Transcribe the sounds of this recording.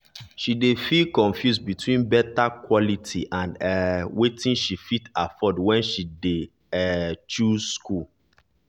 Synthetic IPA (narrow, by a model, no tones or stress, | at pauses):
ʃidefilkɔ̃nfjusbitwĩnbɛtakwɔlitʰiʔãnɛwetĩnʃifitafɔdwɛ̃nʃide | ɛt͡ʃusku